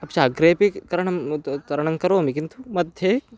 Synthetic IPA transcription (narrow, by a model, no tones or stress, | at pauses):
apt͡ʃaːɡɾepikɐɾɳt̪ɐɾɐɳɐŋkɐɾoːmikint̪umɐd̪ʱje